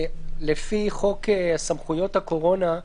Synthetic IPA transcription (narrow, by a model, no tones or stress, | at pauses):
lefiχo̞keasamχujo̞t̪hako̞ʁo̞na